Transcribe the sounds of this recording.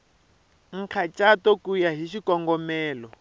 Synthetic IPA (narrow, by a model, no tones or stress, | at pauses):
ŋ̩kʰat͡ʃʼatɔkujaɦiʃikɔŋɡɔmɛːlɔ